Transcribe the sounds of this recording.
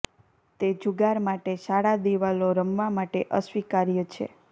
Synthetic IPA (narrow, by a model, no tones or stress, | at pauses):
t̪ed͡ʒuɡaɾmaʈeʃaɽad̪iʋaloɾəmʋamaʈeʔəsʋikaɾjət͡ʃʰḛ